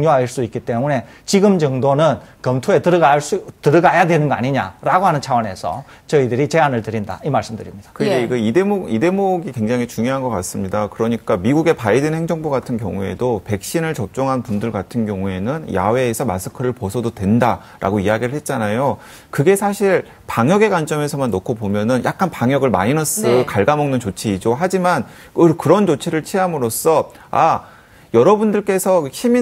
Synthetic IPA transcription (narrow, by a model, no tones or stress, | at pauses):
ŋɲoɦaɭs͈uik͈it͈e̞mune̞ | t͡ɕiɡɯmd͡ʑʌŋdonɯnkʌmtʰoe̞tɯɾaɭs͈utɯɾɯɡajadwe̞nɯnɡʌa̰ɲiɲa̰ɾaɡoɦanɯnt͡ɕʰawʌne̞sʰʌ̰ | t͡ɕʌidɯɾit͡ɕe̞anɯɭtɯɾinda̰imaɭs͈ɯmdɯɾimɲid̥ḁkɯɾɡeiɡɯidemoide̞moɡikwe̞ŋd͡ʑaŋit͡ɕuŋjoɦanɡʌk͈as͈ɯmɲidakɯɾʌɲik͈amiɡuɡe̞paidenheŋd͡ʑʌŋboɡatʰɯnkjʌ̰ŋue̞̰dope̞k̚ɕ͈inɯɭt͡ɕʌp̚t͡ɕ͈ʌŋɦanpundɯɭɡatʰɯnɡjʌŋue̞nɯnja̰we̞ːsʰʌmasʰɯ̥kʰɯɾɯɭposʰʌdodwe̞nda | ɾʔa̰ɡoiaɡiɾɯɭhet̚t͡ɕ͈anajo | kɯɡe̞sʰaɕʰiɭ | paŋjʌɡe̞ɡwant͡ɕ͈ʌme̞sʰʌmanːokʰobomjʌnɯnjak̚k͈anpaŋjʌɡɯɭma̰inʌs͈ɯkaɭɡamʌŋnɯnt͡ɕot͡ɕʰiid͡ʑoɦad͡ʑiman | kɯkɯɾʌnt͡ɕot͡ɕʰiɾɯɭt͡ɕʰiɦamɯɾos͈ʌ | a̰ | jʌɾʌbundɯɭk͈e̞sʰʌɕʰimi